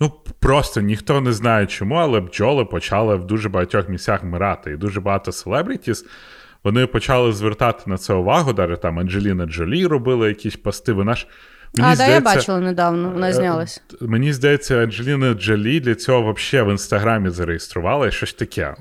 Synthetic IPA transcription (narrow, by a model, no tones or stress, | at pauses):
nupɾɔst̪ɔnʲixt̪ɔnɛznɑjet͡ʃɔmuɐlˠɛbd͡ʒɔlˠɪpɔt͡ʃɑlˠɪʋd̪uʒɛbɐɦɐtʲɔxmʲisʲt͡sʲaxmɪɾɑt̪ɪid̪uʒɛbɐɦɑt̪ɔselˠɛbɾʲɪtʲis | ʋɔnɪpɔt͡ʃɑlˠɪzʋert̪ɑt̪ɪ̥nɐt̪sɛʊʋɑɦʊd̪ɑʒet̪ɑmɐnʒelʲinɐd͡ʒɐlʲiɾɔbɪlˠɐjɐkʲisʲpɐst̪ɪʋɪnɑʃ | meniizd̪aɐjebsːɐt͡ʃɪlˠɐned̪ɑwnɔɔnazznʲalˠɐsʲmenʲizd̪ɐjet͡sʲːɐɐnʒelʲinɐd͡ʒɐlʲid̪lʲɐt͡sʲɔɦɔʋɐpʃɛʋɪnst̪ɐɦɾɑmʲizɐɾejest̪ɾʊʋɑlˠɐiʃɔsʲt̪ɐkʰɛ̰